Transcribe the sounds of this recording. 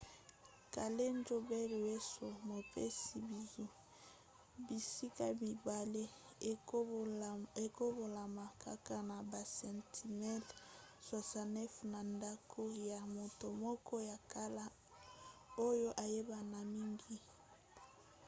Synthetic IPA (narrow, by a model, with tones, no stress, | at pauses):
ka˨le˦nd͡ʒo˦bɛ˦lwe˦so˨mo˨pe˦si˨bi˨ji˦ | bi˨si˦ka˦mi˨ba˨le˦ | e˨ko˦bo˨la˨ma˨ka˦ka˦na˨ba˨sɛ˨ntʰi˨mɛ˦lswa˨sa˨nɛ˦fna˨nda˦kʰo˦ja˨mo˨to˨mɔ˦kɔ˦ja˨ka˦la˦ | o˦jo˦ʔa˨je˦ba˨na˨mi˦ŋɡi˦